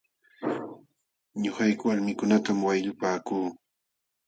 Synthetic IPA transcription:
ɲʊhajkʊwaɾmɪkʊnat̪amwajʎʊpaːkuː

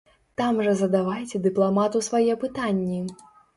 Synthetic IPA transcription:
t̪amʐɐzɐd̪avajt͡sʲɛd̪ɨplˠamat̪usvajɛpɨt̪anʲːi

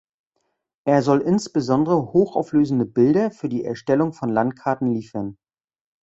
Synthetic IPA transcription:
ʔeːɐzɔlʔɪnsb̥əzɔndəʁəhoːxa̰ʊfløːzn̩dəbɪldɐfyːɐdiːʔɛ̰ɐʃtɛlʊŋfɔnlantkʰaɐtn̩liːfɐn

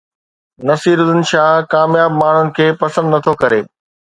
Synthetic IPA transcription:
nɐsiːɾʊzɪnʃaːkaːmjaːbmaːɳ̤ʊnɪ̆kʰeːpɐsə̃nd̪nɐt̪ʰokɐɾeː

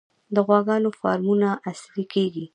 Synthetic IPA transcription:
d̪əɣwɑɡɑnofɑ̰ɾmunaʔaslikeɡi

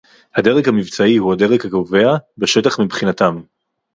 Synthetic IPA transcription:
had̪e̞ʁekhamivt͡saihuade̞ʁekakouve̞abeʃe̞taχmibχinat̪am

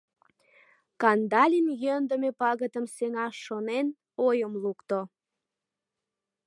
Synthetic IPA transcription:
kɑnd̪ɑlʲinjønd̪əmepɑɣət̪əmseŋɑʃːonen | ojəmlukt̪o

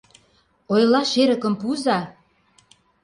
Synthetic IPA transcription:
ojlɑʃeɾə̆kə̆mpuzɑ

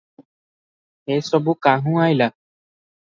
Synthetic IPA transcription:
ɦeːsɔbukaːɦũaːjla

